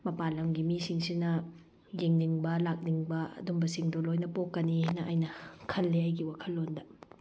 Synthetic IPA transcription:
mɐpalɐmɡimisiŋsinɐ | jeŋniŋbɐlak̚niŋbɐɐ̰dumbɐsiŋdolojnɐpokːɐninɐʔɐjnɐkʰɐlːeɐjɡiwakʰɐlːondɐ

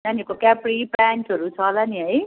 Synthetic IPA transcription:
nanjekokapripanʈɦʌɾut͡sʰʌlaniɦʌj

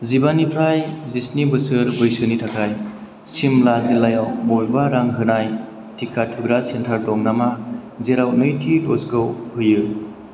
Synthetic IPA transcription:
zibanipʰɾajzisnibɯsɯɾbɯjsɯnitʰakʰaj | simlazilːajawbɔlbaɾaŋɦɯnaj | tʰikʰatʰuɡɾasentʰaɾdɔŋnamazeɾawnɯjtʰilɔskɯwhɯjɯ

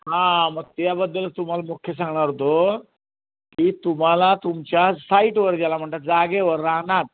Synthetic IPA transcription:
ɦãməɡ̚t̪jabəd̪ːəlt̪um̤alamokʰːjes̬ãŋɡɳ̃aɾɦot̪o | kiːt̪um̤alat̪umt͡ɕjasaiʈʋəɾd͡ʑjalam̤əɳt̪at̪̚d͡zaɡeʋəɾːaɦɳat̪̚

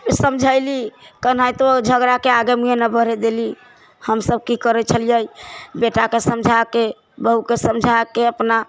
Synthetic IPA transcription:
səmd͡ʒʱaɪlikənajt̪od͡ʒʱəɡɾakeaɡemiɦenəbʱəɾɛd̪eli | həmsəb̚kikəɾɛt͡ʃʰəlijəjbeʈakesəmd͡ʒʱake | bəɦukesəmd͡ʒʱakeəpna

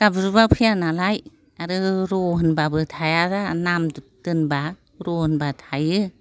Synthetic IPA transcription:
ɡ̥abɾubapʰɯjanalaj | aɾɯɾɔɦɯnbabɯtʰajadanamdtɯnba | ɾɔhɯnbatʰajɯ

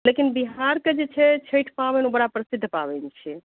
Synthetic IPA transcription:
lekinbiɦaɾked͡ʒet͡ʃʰɛt͡ʃʰəjʈʰpabɛnobəɽapɾəsid̪ʱːpa̰bɛnt͡ʃʰɛ

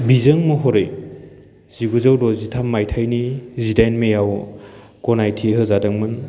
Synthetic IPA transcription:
bizɯŋmɯɦɔɾej | z̥iɡuzɯwdɔzitʰamːajtʰajnizidajnmejaw | kɔnajtʰiɦɯzadɯŋmɯn

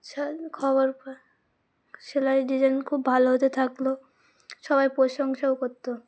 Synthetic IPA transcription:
ʃakʰɔboɾ | ʃeladid͡ʒankʰubbʱaloɦot̪et̪ʰaklo | ʃɔβajpɾoʃɔŋʃaokoɾt̪ːo

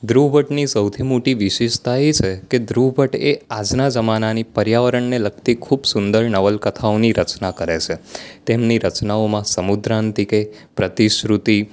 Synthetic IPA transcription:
d̪ɾubʱəʈnisəwt̪ʰimoʈiʋɪʃeʃt̪aet͡ʃʰeked̪ɾubʱəʈead͡ʒnad͡ʒəmananipəɾjaʋəɾəɳnelək̚ʰt̪ikʰubsʊnd̪əɾnəʋəlkət̪ʰaoniɾət͡ʃnakəɾet͡ʃʰet̪emniɾət͡ʃnaomãsəmud̪ɾãnt̪ike | pɾət̪iʃɾut̪i

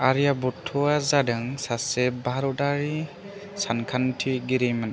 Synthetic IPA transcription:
aɾijabɔtʰːuazadɯŋsasebaɾɔdaɾi | sankʰantʰiɡiɾimana

